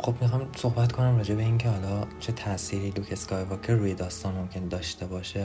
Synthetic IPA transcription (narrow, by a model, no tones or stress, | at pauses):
xo̞bmixɒːjso̞hbæt̪kʰo̞næmrɒːd͡ʒebeiːncʰehɒlɒːt͡ʃʰe̞t̪ʰæʔsiːɾiːlukʰeskɒːjvɒkʰeruːjed̪ɒːst̪ɒːnmo̞mcʰe̞nd̪ɒːʃt̪e̞bɒːʃe